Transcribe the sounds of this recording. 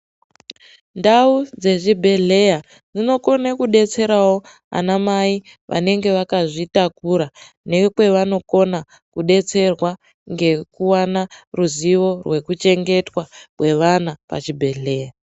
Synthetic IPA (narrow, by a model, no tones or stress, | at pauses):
ndaud͡ze̞ʐibʱe̞ɮe̞ja | d͡zino̞ko̞nakuɗe̞t͡se̞ɾawo̞ | a̰namai | ʋʔa̰ne̞ŋɡe̞ʋakaʐitakuɾa | ne̞kwe̞ʋano̞ko̞na | kuɗe̞t͡se̞rwa | ŋɡe̞kuwanaruziʋo̞rwe̞kut͡ʃe̞ŋɡe̞twakwe̞ʋanapa̰t͡ʃibʱe̞ɮe̞ːja